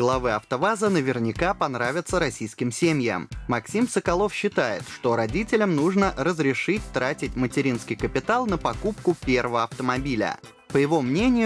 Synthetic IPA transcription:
ɡlˠɐvɨɐft̪əvazənəvʲɪrnʲɪkapɐnɾavʲɪt̪səɾɐsʲijskʲɪmsʲemʲjə̰mːɐksʲimsəkɐlˠo̞fɕːɪt̪ajɪ̰t̪ʂt̪o̞ɾɐdʲitʲɪlʲəmnuʐnəɾəzɾʲɪʂɨtʲt̪ɾatʲɪtʲmətʲɪɾʲinskʲɪjkəpʲɪt̪alˠnəpɐkupkʊpʲervəvəɐft̪əmɐbʲilʲə̰ | pəjɪvo̞mnʲenʲɪjʊ

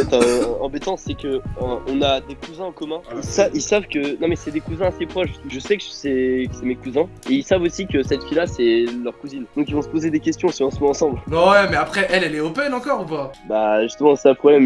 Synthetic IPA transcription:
ɛt̪ɑ̃bet̪ɑ̃sɛkəəʔɔ̃nad̪ekuzɛ̃ɑ̃kɔmɛ̃ilsailsavkənɔ̃mɛsɛd̪ekuzɛ̃asepχɔʃʒəsɛkəʒsɛkə̥sɛmekuzɛ̃ | eilsavosikəsɛt̪filasɛlœʁkuzind̪ɔ̃kilvɔ̃sə̥pozed̪ekʲɛst̪jɔ̃sʁɑ̃swɛ̃ɑ̃sɑ̃blwɛwɛmɛapχɛʔɛlɛlɛɔpɛnɑ̃kɔʁupabaʒyst̪əmɑ̃sãpχɔblɛm

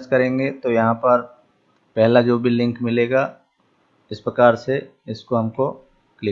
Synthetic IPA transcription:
skɐɾẽːŋɡet̪ojɐɦãpɐɾ | pɛɦlad͡ʒoːbʱilɪ̃ŋkmɪleːɡa | ɪspɾɐkaːɾse | ɪskoɦɐmko | klɪ

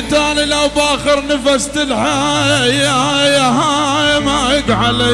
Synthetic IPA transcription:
t̪aːnilawbʔaːxɪɾnafast̪ɪlħajjajaɦajmajɪɡʕala

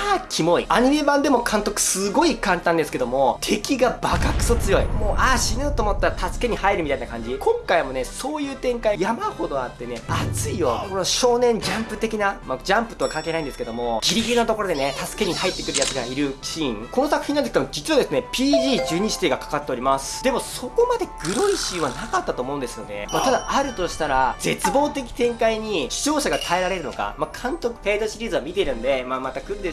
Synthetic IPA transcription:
akʲʰimo̞iaɲ̟ime̞bãnd̪e̞mo̞kʰãnt̪o̞kɯ̟̥sɨɡo̞ikãnt̪ãnd̪e̞sɨ̥ked̪o̞mo̞t̪ʰe̞kʲiɡabakakɯ̟̥sot͡sɨjo̞imo̞ːʔaɕinɯːt̪o̞ːmot̪ːaɾat̪asɨ̥ke̞ɲ̟ihaiɾɯ̟mʲit̪ainakãɲ̟d͡ʑikʰõ̞ŋkaimo̞ne̞so̞ːjɯ̟ːt̪ẽ̞ŋkaijamaho̞d̪o̞at̪ːe̞ne̞at͡sɨijo̞koɾɕo̞ːnẽ̞ɲ̟d͡ʑãmpɯ̟t̪e̞kʲinamad͡ʑãmpɯ̥t̪okakãŋkeːnaĩd̪e̞sɨ̥ke̞d̪omo̞ɡʲiɾʲiɡʲiɾɯnat̪o̞ko̞ɾo̞d̪e̞ne̞t̪asɨ̥ke̞ɲ̟ihait̪ːe̞kɯ̟ɾɯjat͡sɨɡaiɾɯ̟ɕĩŋko̞nosakɯ̟̥çĩnːand̪eskeemod͡ʑi̥tt͡sɨɯβad̪esɨne̞pʲiːʑiːd͡ʑɨːɲ̟iɕi̥t̪eːɡakḁkat̪ːe̞o̞ɾʲimasɨ̥d̪e̞mo̞so̞ko̞mad̪e̞ɡ̥ɯ̟ɾo̞iɕĩβanakat̪ːat̪o̞ːmo̞ɯ̃nd̪e̞sɨjone̞̰mat̪ad̪aaɾɯ̟t̪o̞ɕi̥t̪aɾad͡ze̞t͡sɨbo̞ːt̪e̞kʲi̥t̪ẽ̞ŋkaiɲ̟iɕi̥t͡ɕo̞ːɕaɡat̪ʰae̞ɾaɾe̞ɾɯ̟no̞̰ka̰makʰãnt̪o̞kɯ̟̥pe̞ːzoɕiɾʲiːzɨβamʲit̪e̞ɾɯ̟̃nd̪e̞maːmat̪akɯ̟̃nd̪e

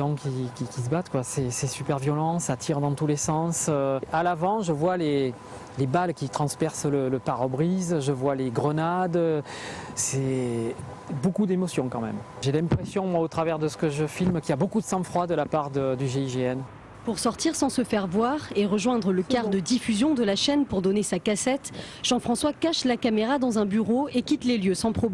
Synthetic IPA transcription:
ʒɑ̃kʲikʲikʲis̬əbat̪kwasɛsɛsypɛʁvjɔlɑ̃sat̪ʰiʁd̪ɑ̃t̪ulesɑ̃søalavɑ̃ʒəvwale | lebalkʲit̪χɑ̃spɛʁslələpaʁɔbʁizʒəvwaleɡʁənad̪ | sɛ | bokud̪emɔsjɔ̃kɑ̃mɛ̰m | ʒelɛ̃pχesjɔ̃mwaot̪χavɛʁd̪əsə̥kəʒəfilmkʲiabokud̪əsɑ̃fχwad̪əlapaʁd̪əd̪yʒeiʒeɛn | puʁsɔʁt̪iʁsɑ̃səfɛʁvwaʁeʁəʒwɛ̃d̪ʁələkaʁd̪əd̪ifyzjɔ̃d̪əlaʃɛnpuʁd̪ɔnesakasɛt̪ | ʒ̥ɑ̃fχɑ̃swakaʃlakameʁad̪ɑ̃zɛ̃byʁoekʲit̪leljøsɑ̃pχɔb

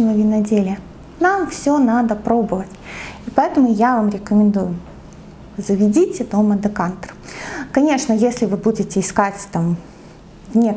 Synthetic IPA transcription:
lˠɐvʲɪnɐdʲelʲɪə | namfsʲonad̪əpɾo̞bɨvətʲipɐɛt̪əmʊjavamɾʲɪkəmʲɪnd̪ujʊ | zəvʲɪdʲitʲɪd̪oməd̪ɨkant̪ərkɐnʲe̞ʂnəjesʲlʲɪvɨbudʲɪtʲɪːskatʲt̪am | vnʲe

